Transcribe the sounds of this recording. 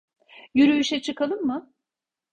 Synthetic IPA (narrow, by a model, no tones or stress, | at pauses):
jyɾyyʃɛt͡ʃʰɯkalˠɯnmɯ